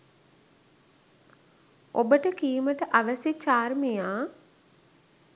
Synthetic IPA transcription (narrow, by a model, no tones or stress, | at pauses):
obəʈəkiːməʈəʔaʋəsjet͡ʃaːrmijaː